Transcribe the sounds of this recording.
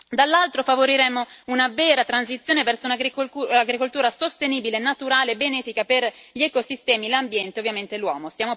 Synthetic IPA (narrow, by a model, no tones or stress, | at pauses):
d̪alːalt̪ɾofavoɾiɾɛmːounavɛːɾat̪ɾansit̪sːjoːnevɛrsounaɡɾiaɡɾikolt̪uːɾasost̪eniːbilenːat̪uɾaːleːbenɛːfikaperʎɛkosist̪ɛːmilambjɛnt̪eovːjament̪elwɔ̰ːmosjaːmo